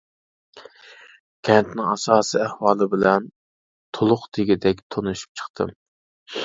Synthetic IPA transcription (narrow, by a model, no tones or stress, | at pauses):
kʲʰɛnt̪nɪŋɑsɑːsiɛhwɑːlˠɨbɪlɛn | t̪ʰolˠʊχt̪ʰeɡʲid̪ɛkʲt̪ʰonuʃu̥p̚t͡ʃʰə̥χt̪ʰɨ̰m